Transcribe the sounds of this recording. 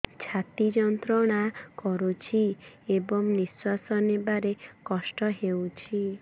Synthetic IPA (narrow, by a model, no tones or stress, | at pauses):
t͡ʃʰat̪id͡ʒɔnt̪ɾɔɽ̃akɔɾut͡ʃʰiebɔŋniswasɔnebaɾekɔsʈɔɦewt͡ʃʰi